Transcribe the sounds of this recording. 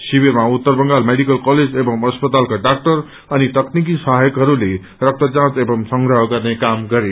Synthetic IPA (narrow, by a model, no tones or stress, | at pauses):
sibirmaut̪ːʌrbʌŋɡalmeɽikʌlkʌled͡zebʌmʌspʌt̪alkaɖak̚ʈʌr | ʌnit̪ʌknik̬isʌɦajʌkɦʌɾule | rʌk̚t̪ʌd͡zãt͡sebʌmsʌŋɡɾʌɦʌɡʌrnekamɡʌɾe